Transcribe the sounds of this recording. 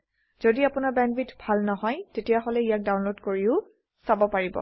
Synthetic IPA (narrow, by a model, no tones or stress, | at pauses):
z̥odiapʊnaɹbɛnbitbʱalnɔɦɔjtetijaɦɔlɛijak̚dawnlodkoɹiʊ | sabɔpaɹibɔ̰